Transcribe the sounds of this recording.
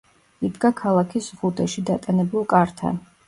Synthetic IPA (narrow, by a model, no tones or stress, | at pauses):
id̪ɡakʰalˠakʰisʁud̪ɛʃid̪at̪ʼanɛbulˠkʼaɾt̪ʰa̰n